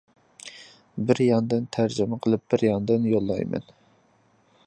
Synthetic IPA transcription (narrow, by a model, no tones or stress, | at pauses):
bɪɾjɑŋd̪ɨnt̪ʰæɾd͡ʒymɛqʰəlˠɨp̚b̥ɪɾjɑŋd̪ɨnjolˠːɑ̰jmɛ̰n